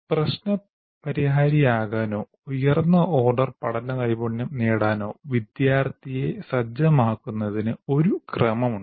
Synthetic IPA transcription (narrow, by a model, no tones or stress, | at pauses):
prɐɕnɐ | pɐɾiɦaːɾijaːɣaːno̞ː | ujɐrnːɐʔo̞ːrɖɐrpɐɽɐnːɐkɐjiboɳːɐneːɽaːno̞ːʋid̪jaːrt̪ʰije̞sɐd͡ʑɐmaːkːunːɐðinɨo̞ɾukrɐmɐmuɳːɖɨ